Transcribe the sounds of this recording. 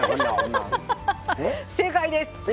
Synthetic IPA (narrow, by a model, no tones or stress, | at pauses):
sekaid̪es